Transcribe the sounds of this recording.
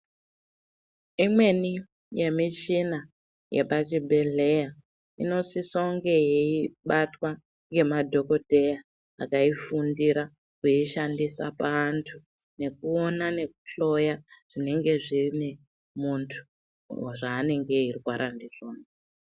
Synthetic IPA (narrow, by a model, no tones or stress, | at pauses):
imwe̞ni | je̞mit͡ʃina | jeɓat͡ʃibʱe̞ɮe̞ja | ḭno̞sisoŋɡe̞jeiɓatwa | ŋɡe̞madʱo̞kodʱe̞ja | akaifundiɾa | kuiʃandisa̰paːntʰu | ne̞kuo̞nane̞ku̥ɬo̞jaʐ̥ine̞ŋɡe̞ʐirine | muntʰu̥ | waʐaːne̞ŋɡe̞irwaɾʔandiʐoːna